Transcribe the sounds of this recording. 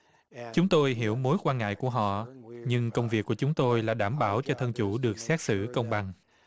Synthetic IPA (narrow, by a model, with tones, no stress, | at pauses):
t͡ɕʊ˨˦ŋ͡mt̪o˧jɦi˧˩əwmo˨˦jkwaː˧nŋa̰ː˧˨jku˧˩əɦɔ̰˧˨ɲɨ˧ŋkə˧wŋ͡mvi˨˩əkːu˧˩ət͡ɕʊ˨˦ŋ͡mt̪o˧jlaː˨˩ɗaː˧˩mɓaː˧˩wt͡ɕɔ˧t̪ʰə˧nt͡ɕu˧˩ɗɨ˨˩ək̚sɛ˦˥t̚sɨ̰˧˩kə˧wŋ͡mɓa˨˩ŋ